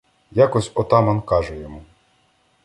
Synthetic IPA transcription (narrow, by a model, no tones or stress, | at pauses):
jakɔsʲɔt̪ɑmɐnkɑʒɛjɔmu